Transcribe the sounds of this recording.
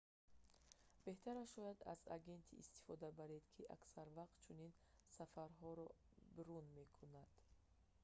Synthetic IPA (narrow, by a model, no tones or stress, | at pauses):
b̥e̞ht̪ʰaɾaʃɔjad̪a̰za̰ɡe̞nt̪ʰiːst̪i̥fɔd̪abaɾed̪kʰiʔa̰ksaɾvaq̚t̪̚t͡ʃʰuninsafaɾɦɔɾɔ | biɾunme̞kʰunad̪̥